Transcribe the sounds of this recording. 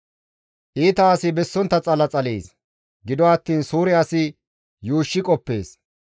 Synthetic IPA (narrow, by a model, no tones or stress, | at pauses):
ʔiːt̪ɐːsɪbɛsːɔnt̪ːɐt͡sʼɐlɐt͡sʼɐlḛːs | ɡɪd̪ɔɐt̪ːiːnsuːɾɪɐsɪ | juːʃːɪkʼɔpːḛːs